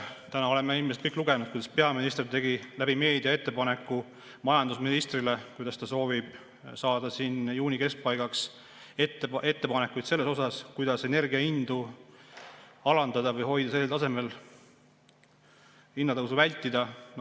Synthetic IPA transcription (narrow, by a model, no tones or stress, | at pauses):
t̪ænɑo̞le̞mːeilmest̪̚kɤkːˑluɡ̥e̞nud̪̚kujd̪ɑspe̞ɑminist̪rt̪e̞ɡilæb̥ime̞ːd̪iɑe̞t̪ːe̞pɑne̞kːˑu | mɑjɑnd̪̥usminist̪rile̞kujd̪ɑst̪ɑso̞ːvib̥ | sɑːd̪ɑsiːnjuːnʲike̞sk̚pɑjɡɑks | et̪ːee̞t̪ːe̞pɑnekːˑujt̪se̞lːe̞so̞sɑskujd̪ɑse̞ne̞rɡiɑind̪̥u | ɑlɑnd̪̥ɑd̪ɑvɤjho̞jd̪̥ɑseːelt̪ɑse̞me̞l | inːɑt̪ɤwsuvælʲt̪ːˑid̪̥ɑn